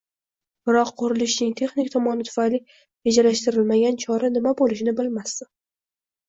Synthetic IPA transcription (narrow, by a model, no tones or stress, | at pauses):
b̥ɪɾɒqʰːʊɾɪlɪʃnɪŋt̪ʰe̞χnɪkʲt̪ʰɒmɒnɪt̪ʰʊ̥fajli | ved͡ʒalaʃt̪ɪɾɪlmaɡʲant͡ʃʰɒɾanɪmabolɪʃɪnɪbɪlmast̪ɪ